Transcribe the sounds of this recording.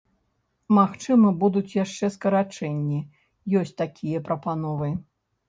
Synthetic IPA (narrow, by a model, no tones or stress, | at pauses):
maxt͡ʂɨmɐbud̪ut͡sʲjaʂt͡ʂɛskɐɾat͡ʂɛnʲːi | jɔsʲt͡sʲt̪akʲijɐpɾɐpanɔvɨ